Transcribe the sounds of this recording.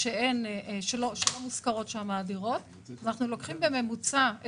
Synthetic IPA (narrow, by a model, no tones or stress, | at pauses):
ʃee̞nʃeloʃelomuskaʁo̞tʃeamaːdiʁo̞t̪ | anaχnulo̞kχimbeme̞mut͡sa